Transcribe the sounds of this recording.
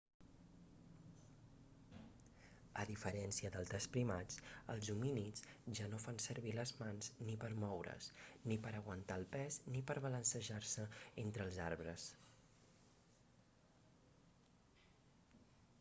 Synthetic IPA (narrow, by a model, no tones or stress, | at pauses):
əðifəɾɛnsiəðəlˠdəspɾimat͡sə̰lˠzuminit͡sʒanofansəɾβiləzmanznipəɾmɔwɾə̰snipəɾəɣ̞wənt̪aəlˠpɛznipəɾβələnsəʒarsəent̪ɾəlˠzaɾβɾəs